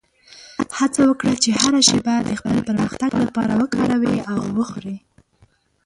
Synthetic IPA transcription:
hat͡sawəkɽat͡ʃehaɾaʃebajad̪ːəxpəlpəɾməxt̪aɡlapɑ̰ɾa̰wəkɑɾawiawːəxɾi

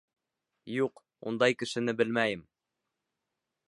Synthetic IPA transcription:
juq | ṵnd̪ɑjkɘ̆ʃɘ̆nɘbɘlmæjɘm

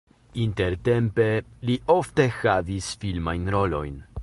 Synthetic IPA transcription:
inte̞ɾte̞mpe̞liʔo̞fte̞xavisfilmajnɾo̞lo̞̰jn

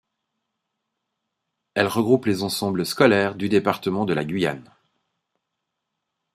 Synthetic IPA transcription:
ɛlʁəɡʁuplezɑ̃sɑ̃bləskɔlɛʁd̪yd̪epaʁt̪əmɑ̃d̪əla̰ɡʲɥija̰n

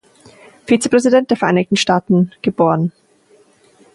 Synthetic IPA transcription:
fiːt͡səpʁ̥ɛzidɛntd̥eːɐfɛɐʔaɪnɪçtn̩ʃtaːtn̩ɡ̥əboːʁən

